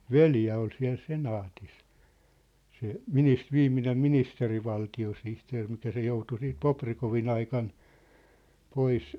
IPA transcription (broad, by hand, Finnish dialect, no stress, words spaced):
ʋeljæ ol siæ̝l senɑːtis se minis ʋiːmːinem ministeriʋɑltiosihteːr mikæ se joutu siːt poprikoʋin ɑikɑn pois